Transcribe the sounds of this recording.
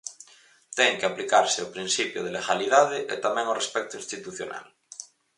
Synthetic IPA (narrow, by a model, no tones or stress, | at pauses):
t̪ɛŋkeaplikaɾseawpɾin̟sipjoð̞eleɣaliðaðeʔḛt̪amɛ̃ŋorespɛk̚t̪oinst̪it̪uθjona̰l